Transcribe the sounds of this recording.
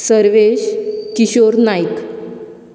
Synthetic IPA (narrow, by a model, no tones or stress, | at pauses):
səɾʋeɕkiɕoɾnajk